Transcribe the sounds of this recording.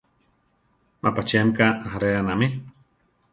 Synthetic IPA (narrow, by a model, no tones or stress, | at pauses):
mʔapat͡ʃiamkaaaɾeanami